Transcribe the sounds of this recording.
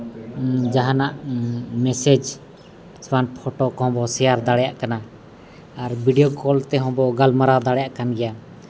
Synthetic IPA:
d͡ʒaɦanaʔmɛsɛd͡ʒ | swanpʰɔʈɔkɔhɔ̃bɔsɛjaɾd̪aɽɛjaʔkana | aɾbiɖijokɔlt̪ɛɦɔ̃bɔɡalmaɾad̪aɽɛjaʔkanɡɛja

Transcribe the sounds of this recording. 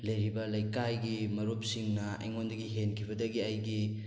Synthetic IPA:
lejɾibɐlajkajɡimɐɾop̚siŋnɐɐ̰jŋondɐɡiɦenkʰibɐdɐɡiajɡi

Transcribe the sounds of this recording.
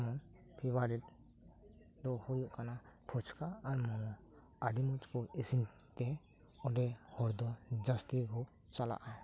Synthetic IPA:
mɔn | pʰibaɖiʈ | d̪ɔhujuʔkanapʰɔt͡ʃʰkaːɾmɔnɔ | aɖimɔt͡ʃkɔisin | t̪ɛ | ɔɖɛhɔɾd̪ɔd͡ʒast̪ikɔ | t͡ʃala̰ʔa

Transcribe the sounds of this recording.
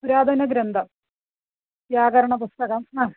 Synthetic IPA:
uɾaːd̪ʱɐnɐɡɾɐnd̪ʱɐ | tjaːɡɐɾɐɳɐp̬ust̪ɐɣɐma

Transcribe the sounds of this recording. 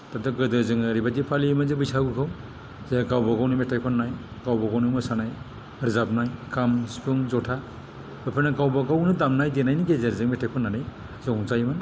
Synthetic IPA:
tadɯɡɯdɯɾzɯŋaɾibadipʰalimazebɯjsaɡɯkʰaw | zeɡawbaɡawnɯmetajkʰɔnːajɡawbaɡawnɯmɯsanaj | ɯɾzap̚najkamspʰɯŋzɔtʰa | bɯpʰɯnaɡawbaɡawnɯdamnajdenajniɡezeɾzɯŋmetʰajkʰɔnːanɯ | zɔŋzajman

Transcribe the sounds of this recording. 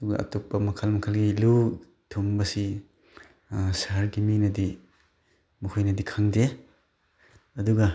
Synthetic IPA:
ɐduɡɐ̰ʔɐ̰topːɐmɐkʰalmɐkʰalɡilu | tʰombɐsi | sɐɦɐɾɡiminɐdi | mukʰujnɐdikʰaŋde | ɐduɡɐ

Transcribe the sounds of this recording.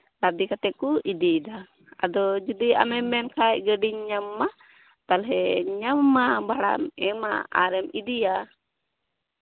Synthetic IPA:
lad̪ikat̪ɛʔ̪̚kuʔid̪id̪a | a̰d̪ɔd͡ʒud̪ia̰mɛmɛnkaʔ̚ɡəɖiɲɲamːa | t̪alɦɛɲamːabaɽa̰mɛma̰a̰ɾɛmid̪ija

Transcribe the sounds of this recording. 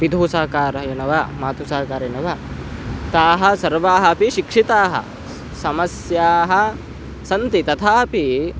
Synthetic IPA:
ʋid̪ʱuːsaːkaːɾɐɐjɐnɐʋɐmaːt̪usaːkaːɾɐjɐnɐʋɐ | t̪aːɦɐsɐɾʋaːɦɐpiʃikʂit̪aːɦɐ̰ | sɐmɐsjaːɦɐ | sɐnt̪it̪ɐt̪ʰaːpi

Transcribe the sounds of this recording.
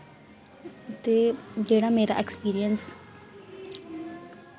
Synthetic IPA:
t̪eːd͡ʒeːɽaːmeːɾa̰ʔɛkspiːɾijəns

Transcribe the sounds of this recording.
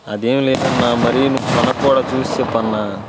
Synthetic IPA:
ɐd̪eːmileːd̪ɐnːaːmɐɾijunuʋːupɐnɐkːuːɽaːt͡ʃuːst͡ʃepːɐnːaː

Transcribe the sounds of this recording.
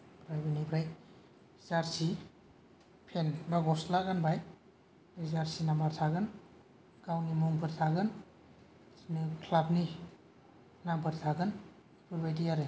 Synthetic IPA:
bɾajbɯnibɾaj | zaɾsi | pʰenbaɡɔslaɡanbaj | ezaɾsinambaɾtʰaɡɯn | ɡ̥awnimuŋpʰɯɾtʰaɡɯn | snɯkʰlab̚ni | nampʰɯɾtʰaɡɯn | pʰɯɾbajdijaɾɯ

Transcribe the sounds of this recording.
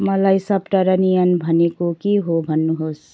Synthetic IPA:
mʌlajsʌbʈaɾʌnijʌnbʱʌnekokiɦobʱʌnːuɦos

